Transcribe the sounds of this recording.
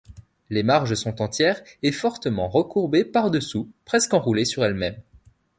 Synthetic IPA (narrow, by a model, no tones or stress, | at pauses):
lemaʁʒəsɔ̃t̪ɑ̃t̪jɛʁefɔʁt̪əmɑ̃ʁəkuʁbepaʁd̪əsupχɛskɑ̃ʁulesyʁɛlmɛm